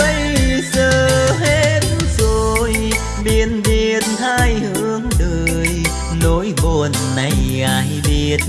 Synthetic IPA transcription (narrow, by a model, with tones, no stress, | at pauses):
ɓə˧jsəː˧˩ɦe˧˥tzo˧j | ɓi˨˧˩ənɓi˨˧˩ət̚haː˧˩jhɨ˧˦əŋɗəː˨˩˨j | no˨˦jko˧˩nːa˨˩jɣaː˨˧˩jɓi˨˩ət̚